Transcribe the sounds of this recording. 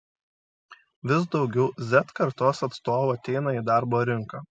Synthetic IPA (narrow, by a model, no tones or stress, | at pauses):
ʋʲɪsd̪ɒʊɡʲɛʊzʲɛt̪kɐɾt̪oːsɐt̪st̪oːʋoːɐt̪ʲɛɪnɐiːd̪ɑɾboːɾʲɪŋkɑː